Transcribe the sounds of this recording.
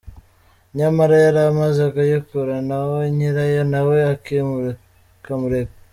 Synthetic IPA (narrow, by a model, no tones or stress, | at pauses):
ɲamaɾajaɾamazakajokuɾanawoɲiɾajonaweake | kamuɾep